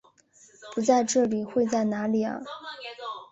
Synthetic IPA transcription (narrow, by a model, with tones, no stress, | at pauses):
pu˧˥t͡sa˥˧ɪʈ͡ʂɤ˥˩li˨˩xwe˥˧ɪt͡sa˥˩ɪna˧˥li˨˩ɐ̰˧